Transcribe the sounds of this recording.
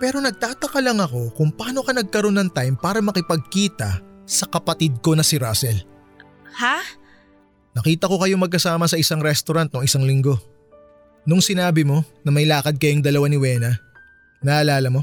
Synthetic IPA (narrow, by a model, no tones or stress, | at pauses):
pɛːɾo̞nɐɡ̚t̪aːt̪ɐkɐlɐŋɐko̞kʊŋpɐaːno̞kɐnɐɡ̚kɐɾo̞nːɐŋt̪ajmpaːɾɐmɐkɪpɐɡ̚kiːt̪ɐsɐkɐpɐt̪ɪd̪̚ko̞nɐsɪɾaːsɛl | ha | nɐkiːt̪ɐko̞kɐjoŋmɐɡ̚kɐsaːmɐsɐʔɪsaŋɾɛst̪oɾɐnt̪̚noŋɪsaŋlɪŋɡo̞ | nʊŋsɪnaːbɪmo̞nɐmɐjlaːkɐd̪̚kɐjoŋd̪ɐlɐwanɪwɛːnɐ | nɐːʔːlaːlɐmo̞